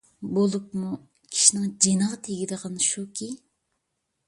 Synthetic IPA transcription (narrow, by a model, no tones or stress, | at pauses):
bolˠupmu | kʲʰi̥ʃinɪŋd͡ʒenəʁɑt̪ʰeɡʲid̪əʁʰɑnʃukʲʰi